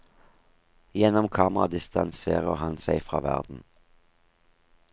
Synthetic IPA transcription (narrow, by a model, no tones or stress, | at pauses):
jɛnɔmkʰɑːməʁɑd̪ɪst̪ɑnseːʁəʁhɑnsæɪfʁɑ̰ːʋæ̰ʁd̪n̩